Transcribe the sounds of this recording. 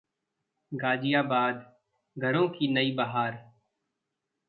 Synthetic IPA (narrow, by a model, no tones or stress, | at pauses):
ɡaːd͡ʒɪjaːbaːd̪ | ɡʱɐɾõkinɐibaɦaːɾ